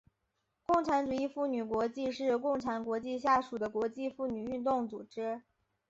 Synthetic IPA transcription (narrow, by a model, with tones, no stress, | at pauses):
kʊ˥˩ŋʈ͡ʂʰa˧˥nʈ͡ʂu˨˩i˥˧fu˥˩ny˨˩kwɔ˧˥t͡ɕi˥˧ʂɻ̩˥˧kʊ˥˩ŋʈ͡ʂʰa˧˥nkwɔ˧˥t͡ɕi˥˧ɕ̬ja˥˩ʂu˨˩d̪ə˦kwɔ˧˥t͡ɕi˥˧fu˥˩ny˨˩y˥˧nt̪̬ʊ˥˩ŋt͡su˨˩ʈ͡ʂɻ̩˥